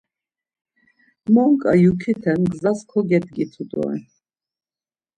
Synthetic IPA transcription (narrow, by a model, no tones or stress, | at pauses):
mɔŋkʼa̰jukʰit̪ʰɛnɡzaskʰɔɡɛt̪̚ʰɡit̪ʰud̪ɔ̰ɛ̰